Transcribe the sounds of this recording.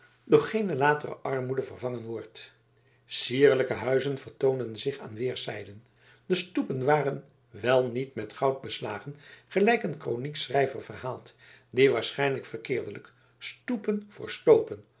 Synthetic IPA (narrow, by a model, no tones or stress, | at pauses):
dɔχχejnəlaːtərə̰ʔɑɹmudəvərvɑŋənʋɔɹt | siːɹləkəɦœɥzənvəɹtowndənzɪχa̰ːnʋɪːɹsɛjdən | dəstupənʋaːrən | ʋɛlˠnitmɛtχɑwd̚bəsla̰ːχənχəlɛjkənkroniksrɛjvərvərhaːlˠt | diʋaːɹsχɛjnləkfərkɪːɹdələk | stupənv̥ʊ̰ːɹstowpən